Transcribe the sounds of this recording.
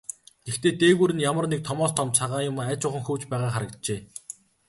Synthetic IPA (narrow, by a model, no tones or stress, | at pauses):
ɡ̥ext̪ʰeːt̪eːɣuːɾɘ̆njamə̆rnek̚t̪ʰɔmɔːst̪ʰɔmt͡ɕ̪t͡sʰaʁaːjʊmæt͡ɕʊːχə̆ŋxuːt͡ɕpæːʁaːχaɾə̆kt̪t͡ɕeː